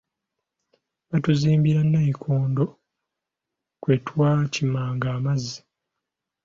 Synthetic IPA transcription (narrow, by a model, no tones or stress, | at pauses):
βatuziːmbiɾanːajikʰoːndo̞ | kweːtwaːcimaːŋɡaːmazːi